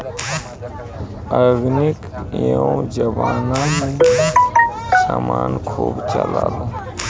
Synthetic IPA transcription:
əɡnɪkiõd͡ʒəʋaːnãɦĩ | samaːnkʰuːbt͡ʃəlaːlo

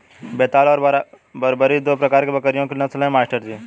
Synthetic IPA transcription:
beːt̪aːlɔːɾ | bəɾbəɾid̪oːpɾɐkaːɾkebɐkəɾɪjõkenɐslẽmaːsʈəɾd͡ʒiː

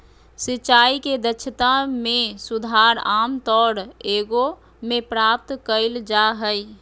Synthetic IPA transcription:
sɪt͡ʃaːiked̪ət͡ʃʰət̪amẽsʊd̪ʱaːɾaːmt̪ɔːɽeːɡo | mẽpɾaːp̚t̪kəɪld͡ʒaɦəi

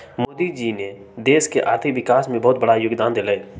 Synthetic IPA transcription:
moːd̪id͡ʒine | d̪eːskeʔa̰ːɾt̪ʰiʋɪkaːsmẽbɔːt̪̚bəɽajʊɡd̪aːnd̪ɪlaːe

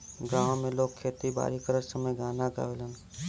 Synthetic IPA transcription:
ɡãːõmẽloːɡ̚kʰːeːt̪iba̰ːɾikəɾəsəməjɡaːnaɡa̰ːʋelən

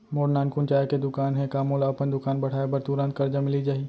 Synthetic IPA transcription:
moːɽnaːnkunt͡ʃaːeked̪ʊkaːnɦɛ̃kaːmõlaːpənd̪ʊkaːnbɐɽ̤aːebɐɾt̪uːɾãːnt̪̚kɐɾd͡ʒamɪlid͡ʒaːi

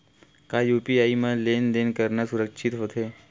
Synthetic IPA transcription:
kaːjuːpiaːimãleːnd̪eːnkəɾnasʊɾəkʃʰɪt̪ɦoːt̪ɦeː

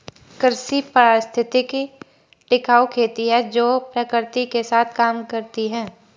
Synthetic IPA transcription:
kɾsipɾaːst̪ʰɪt̪iki | ʈɪkaːokʰeːt̪iɦɛd͡ʒoːpɾəkəɾt̪ikesaːt̪ʰkaːmkɐɾt̪iɦɛː

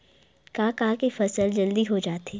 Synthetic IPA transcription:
kaːkaːkefɐsəld͡ʒɐld̪iɦod͡ʒaːt̪eː

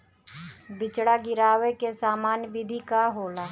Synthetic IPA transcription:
bɪt͡ʃɽaɡɪɾaːwekesaːmaːnjʋɪd̪ʱikaɦoːlaː

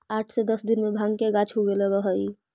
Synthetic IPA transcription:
aːʈʰsed̪əsd̪ɪnmẽbʱãŋkeɡat͡ʃʰɦuɡelebəɦəi

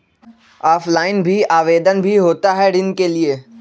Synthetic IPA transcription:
aːfʰlaːɪnbʱiaːʋeːd̪ənbʱiɦoːt̪aɦɛɖɪnkelieː

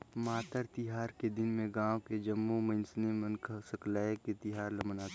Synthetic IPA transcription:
maːt̪əɾt̪ɪɦaːɾked̪ɪnmẽɡãːwked͡ʒɐmːomɐnsnemɐ̃nkəsɐklaːeket̪ɪɦaːɾlɐmənaːt̪

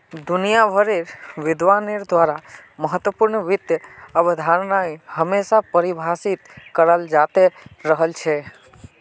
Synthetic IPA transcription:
d̪ʊnijabʱəɾeɾʋɪd̪ʋaneɾd̪ʋaɾaməɦət̪wəpuɾɳʋɪt̪jəəbd̪ʱaɾnaihəmesapəɾibʱasit̪kəɾəld͡ʒat̪eɾəɦəlt͡ʃʰe

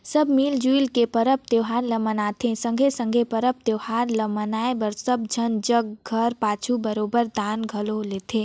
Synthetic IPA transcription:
sɐbmiːld͡ʒuilkepəɾəp̚t̪eːʋɦaːnləmənaːt̪ʰẽsə̃ŋɡʱesə̃ŋɡʱepəɾəp̚t̪eʋhaːnləmənaːebəɾsəb̚d͡ʒʱənd͡ʒəɡɡʱəɾpaːt͡ʃʰubəɾoːbəɾd̪aːnɡʱɐloleːt̪ʰeː

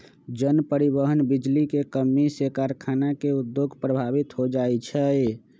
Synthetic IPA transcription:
d͡ʒənpəɾibəɦənbid͡ʒlikekəmːisekaɾkʰanakeud̪joɡʱpɾəbʱabit̪ɦod͡ʒajt͡ʃʰɛ

